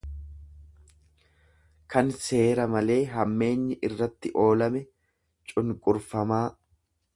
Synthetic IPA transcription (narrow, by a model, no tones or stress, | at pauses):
kɐnse̞ːɾɐmɐle̞ːɦɐmːe̞ːɲːɐʔɪrːɐt̪ːɪʔo̞ːlɐmɛ | t͡ʃʼʊŋkʼʊɾfɐmaː